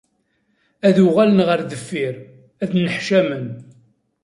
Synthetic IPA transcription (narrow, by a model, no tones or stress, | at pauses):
æðʊʁælənʁəɾðəfːɪɾ | æðnəħʃæmən